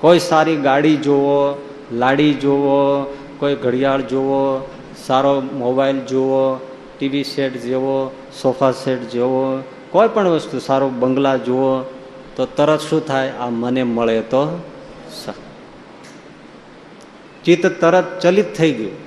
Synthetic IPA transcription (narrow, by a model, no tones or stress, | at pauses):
koisaɾiɡaɽid͡ʒoo | laɽid͡ʒoo | koiɡʱəɽijaɭd͡ʒoʋo | saɾomobaild͡ʒoo | ʈiʋiseʈd͡ʒeʋo | sopʰaseʈd͡ʒeʋo | kojpəɳʋəst̪usaɾobəŋɡlad͡ʒoʋo | t̪ot̪əɾət̪ʃũt̪ʰajaməneməɭet̪o | sa | t͡ʃit̪t̪ːəɾət̪̚t͡ʃəlit̪ʰːəiɡəjo